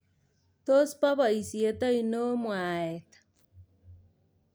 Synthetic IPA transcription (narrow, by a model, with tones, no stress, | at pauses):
t̪o˦spa˦βa˨i˨sie˨t̪a˦i˨no˦mwa˨e˨t̪ḁ